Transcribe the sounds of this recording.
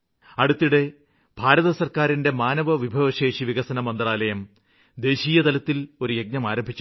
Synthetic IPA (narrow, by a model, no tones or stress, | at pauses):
ɐɽut̪ːiɽe̞ | b̥ʱaːɾɐðɐsɐrkaːɾinde̞maːnɐʋɐʋibʱɐʋɐɕe̞ːʂiʋiɣɐsɐnɐmɐnd̪raːlɐjɐm | d̪e̞ːɕiːjɐt̪ɐlɐt̪ːilo̞ɾuje̞ɡ̚ɲɐmaːɾɐmbʱit͡ɕːu